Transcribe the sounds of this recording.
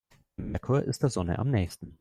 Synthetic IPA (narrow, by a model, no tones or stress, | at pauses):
ɪmɪɐkʰoːɐʔɪstd̥eːɐzɔnə̰ʔa̰mnɛːçstn̩